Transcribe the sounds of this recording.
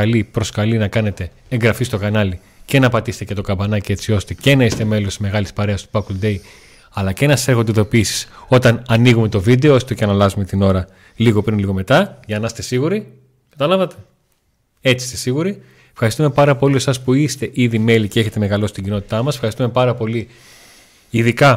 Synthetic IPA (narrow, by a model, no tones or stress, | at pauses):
ɐlipɾo̞skɐlinɐkɐne̞t̪e̞ | eŋɡɾɐfist̪o̞kɐnɐli | ce̞nɐpɐt̪iset̪ecet̪o̞kɐbɐnɐcee̞t͡sio̞st̪e̞ce̞nɐise̥t̪e̞me̞lo̞st̪izme̞ɣɐlispɐɾe̞ɐst̪u̥pɐkld̪e̞j | ɐlɐcenɐsɐ̥sexod̪iðo̞piːsi̥so̞t̪ɐnɐniɣume̞t̪o̞vid̪e̞oost̪oceɐnɐlɐzume̞t̪ino̞ɾɐ | liɣo̞pɾinliɣo̞me̞t̪ɐʝɐnɐst̪e̞siɣuɾi | kɐt̪ɐlɐvɐt̪e̞̥ | e̞t͡sist̪esiɣuɾi | efxɐɾist̪ume̞pɐɾɐpo̞lie̞sɐspuist̪e̞ʔiðime̞liceeçe̞t̪e̞me̞ɣɐlo̞st̪iɟino̞t̪i̥t̪ɐmɐse̥fxɐɾist̪ume̞pɐɾɐpo̞li | iðikɐ